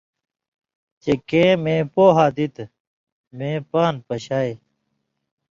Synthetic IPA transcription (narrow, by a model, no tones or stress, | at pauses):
t͡ɕekẽːmẽːpoːɦaːd̪it̪ | mẽːpaːnpɐɕaːj